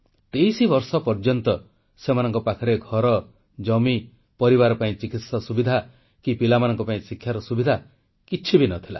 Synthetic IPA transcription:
t̪ejsibɔɾsɔpɔɾd͡ʒɔnt̪ɔ | semanɔŋkɔpakʰɔɾeɡʱɔɾɔ | d͡ʒɔmi | pɔɾiβaɾɔpaĩt͡ʃikit̪sɔsubid̪ʱa | kipilamanɔŋkɔpaĩsikʰːjaɾɔsubid̪ʱa | kit͡ʃʰibinɔt̪ʰila̰

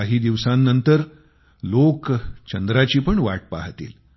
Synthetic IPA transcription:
aɦiːd̪iʋsãnːənt̪əɾ | lokt͡ɕənd̪ɾat͡ɕiːpəɳʋa̰ʈ̚pa̰ɦt̪ḭːl

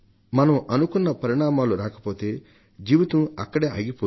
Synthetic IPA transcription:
mɐnɐmʔɐnukunːɐpɐɾiɳ̃aːmaːluɾaːkɐ̥poːt̪eː | d͡ʒiːʋɐt̪ũɐkːɐɽeːa̰ːɡipo

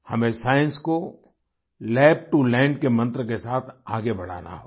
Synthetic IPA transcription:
hɐmẽsaːjə̃nsko | lɛːp̚ʈulɛ̃ːɳɖ̚kemɐ̃nt̪ɾəkesaːt̪ʰaːɡebɐɽ̤a̰ːna̰ɦoː

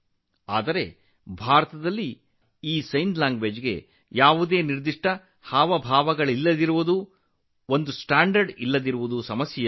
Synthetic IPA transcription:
a̰ːd̪ɐɾe̞ | bʱaːɾɐt̪ɐd̪ɐlːi | iːsɐjnd̪laːŋɡʋeːd͡ʒɡe̞̰ | jaːʋud̪e̞ːniɾd̪iʂʈɐ | haːʋɐbʱaːʋɐɡɐɭilːɐd̪iɾuʋud̪u | o̞nd̪usʈaːɳɖɐɾɖilːɐd̪iɾuʋud̪usɐmɐsjɐjɐ

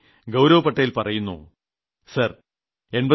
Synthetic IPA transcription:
ɡɐwɾɐʋɐpɐʈːɐjilpɐrɐjunːṵ | sɐr | e̞nbɐ

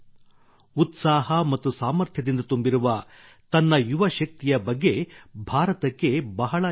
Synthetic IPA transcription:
ut̪saːɦɐmɐt̪ːusaːmɐɾt̪ʰjɐd̪ind̪ɐt̪umbiɾuʋɐ | t̪ɐnːɐjuʋɐʃɐk̚t̪ijɐbɐɡːe̞bʱaːɾɐt̪ɐkːe̞bɐɦɐɭɐ

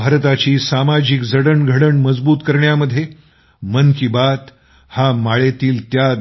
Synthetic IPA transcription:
bʱaɾt̪at͡ɕiːsamad͡ʑikd͡zəɽəɳɡʱəɽəɳməd͡zbuːt̪kəɾɳjaməd̪ʱːje | mənkibat̪ | hamaɭet̪iːlt̪ja

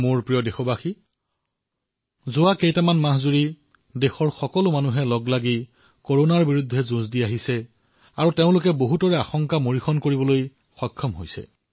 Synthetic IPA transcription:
mʊɹpɹijɔdexɔbaxi | zʊwakejtamanmaɦzuɹi | dexɔɹxɔkɔlʊmanuɦɛlɔɡlaɡi | koɹonaɹbiɹudʱːɛzũzdiaɦisɛ | aɹuteʊ̃lʊkɛboɦutɔɹɛaxɔŋkamoɹixʰɔnkoɹibɔloj | xɔjkʰːɔmɦojsɛ̰

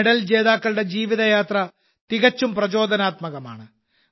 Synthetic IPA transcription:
ɽɐld͡ʑe̞ːðaːkːɐɭɽe̞d͡ʑiːʋiðɐjaːt̪rɐ | t̪iɣɐt͡ɕːumprɐd͡ʑo̞ːd̪ʱɐnaːt̪mɐɣɐma̰ːɳɨ

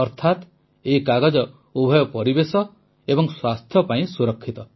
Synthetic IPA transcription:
ɔɾt̪ʰat̪ | eikaɡɔd͡ʒɔ | ubʱɔjɔpɔɾibesɔ | ebɔŋswast̪ʰjɔpaĩsuɾɔkʰːit̪ɔ

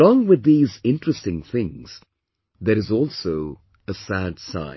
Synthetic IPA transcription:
lɔ̃ŋwɨðiːzɪ̃ntɹ̥əstɪ̃ŋθɪ̃ŋz̥ | ðəɾɨzɔlˠsoʊ | əsædsã̰ɪ̃

